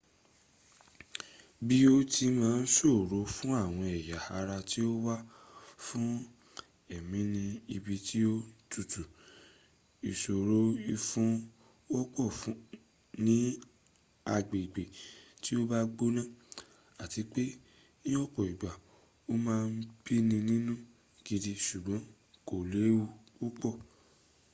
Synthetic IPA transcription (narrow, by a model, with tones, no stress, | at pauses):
bi˦o˦tʰi˧mãː˦n̩˦so˦˨ɾo˨˦fũ˦a˦˨w̃ɔ̃˧ɛ˨ja˨a˧ɾa˧ti˦o˦wa˦fũ˦ | ɛ˦˨mĩ˨˦nĩ˧i˧bi˧ti˦o˦tu˦˨tu˨ | i˨so˨ɾo˦i˧fũ˦ | wɔ˦k͡pɔ˦˨fũ˨˦ | nĩ˨˦ | a˧ɡ͡be˨i˨ɡ͡be˨ti˦o˦ba˦ɡ͡bo˦nã˦˨ | a˨ti˨˧k͡pe˦ | nĩ˦ɔ˦k͡pɔ˨i˨ɡ͡ba˨ | o˦mãː˦˧n̩˦b̥i˦nĩ˧nĩ˦nũ˦ | ɡ̥i˧di˧ʃu˨ɡ͡bɔ̃˨˦ | ko˨le˨˦u˧ | u˦k͡pɔ˦˨